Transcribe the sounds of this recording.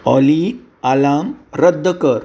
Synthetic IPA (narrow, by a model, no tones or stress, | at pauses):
ɔliː | alaːmɾəd̪ʱːəkəɾ